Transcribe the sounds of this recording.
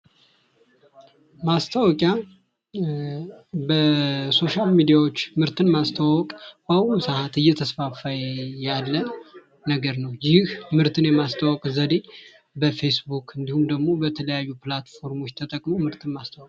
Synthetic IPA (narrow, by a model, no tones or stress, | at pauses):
mast̪ʰawɔkʼja | bəso̞ʃalmid̪ijawot͡ʃːmɨɾt̪ʰɨnmast̪ʰawɔkʼbausahat̪ɨjːɛt̪ʰəsfafajjalːə | nəɡəɾnəwjɪhmɨɾt̪ʰɨnjɛmast̪ʰawɔkʼzəd̪e | bəfe̞sbukɨnd̪ihumd̪əɡmo̞bət̪ʰələjajːuplat̪fo̞ɾmo̞t͡ʃːt̪ʰət̪ʼəkʼmomɨɾt̪ʰɨnmast̪ʰawkʼ